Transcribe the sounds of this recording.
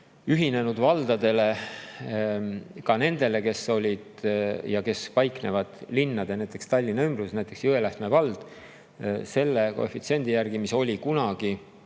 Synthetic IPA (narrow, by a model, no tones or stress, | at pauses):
yɦine̞nud̪vɑld̪̥ɑd̪̥e̞le̞ | kɑne̞nd̪̥e̞le̞ke̞so̞lʲid̪̥jɑke̞spɑjkne̞vɑd̪̥linːɑd̪̥e̞næjt̪ˑːe̞kst̪ɑlʲːinɑymbrusnæjt̪ːˑe̞ksjyelæst̪me̞vɑld̪̥ | se̞lːe̞ko̰efit̪sie̞nd̪ijærɡ̥imiso̞lʲikunɑɡ̥i